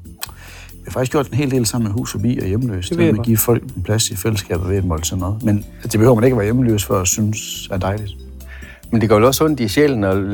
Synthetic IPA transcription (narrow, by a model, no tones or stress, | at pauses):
iɑfɡ̥isɡ̥o̝̰d̥enɦe̝̰ːld̥e̝̰ːlsɑ̈m̰n̩meɦṵːsɒb̥ḭːɒ̽jeməlø̰ːsd̥meɡ̥ḭːfɒ̽l̰ɡ̥̚npʰlæsifeləsɡ̥ɛ̰ːb̥ð̩ˠʋeæd̥mɒ̽l̰̥sʰenɔðˠmend̥ebe̝øʊɐmæne̝ɡ̥ɐʋæɐjeməlø̰ːsfɶɐ̰æsynsæɐd̥ɑ̈ɪlid̥ | mend̥eɡɒ̰ʋelɒsɔn̰d̥iɕeln̩ɒ